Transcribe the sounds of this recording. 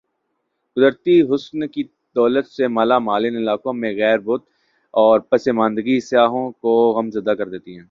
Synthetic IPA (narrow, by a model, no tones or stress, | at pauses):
ɡʊzəɾt̪iɦʊsnki | d̪̥ɔːlət̪semaːlamaːlɪnɪlaːkõmẽɣɛːɾbʊt̪ | ɔːɾpɐsemãːnd̪əɡisɪjaːɦõkoɣɐmzɐd̪akɐɾd̪eːt̪iɦɛ̃ː